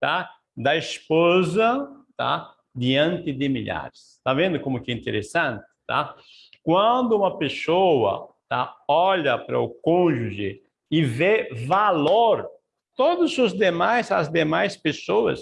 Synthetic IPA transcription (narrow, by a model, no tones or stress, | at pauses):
t̪a | d̪ɐispozɐt̪a̰ | d̪iɐ̃nt̪ɪd̪ɪmḭʎa̰ɾɪst̪avẽnd̪ʊkõmʊkɛĩnt̪eɾesɐ̃nt̪ɪ̥t̪a̰ | kwɐ̃nd̪ʊũmɐpesowɐ̰ | t̪aɔʎɐpɾɐ̰ʊkõʒuʒɪ | ɪvevaloɾ | t̪od̪ʊzʊzd̪emajsɐzd̪emajspesoɐ̰s